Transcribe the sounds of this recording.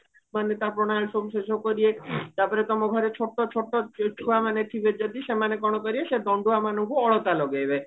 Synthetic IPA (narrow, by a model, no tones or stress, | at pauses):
manet̪apɾɔɽ̃aɭsomseʃokɔɾiet̪aɾpɔɾet̪ɔmoɡʱɔɾet͡ʃʰoʈːot͡ʃʰoʈːot͡ʃʰuamaneʈʰibed͡ʒɔd̪iʃemanekɔɽ̃ɔkɔɾieʃed̪ɔɳɖuamanɔŋkuɔɭot̪aloɡebe